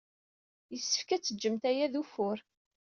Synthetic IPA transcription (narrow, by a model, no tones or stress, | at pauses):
jəsːə̥fkæt͡sːəd͡ʒːəmt̪æjæðufʊɾ